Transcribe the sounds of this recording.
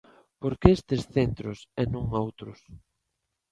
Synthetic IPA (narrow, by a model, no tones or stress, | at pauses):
poɾkeest̪esθent̪ɾʊsɛnũŋowt̪ɾʊs